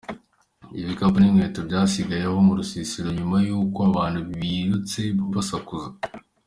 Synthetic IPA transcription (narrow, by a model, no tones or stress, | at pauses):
iβikabunimŋeːtobɟaːsiɡaje̞ho̞muɾusisiɾoɲumajuːkoaβaːnhuββiːɾut͡se̞ββasakuza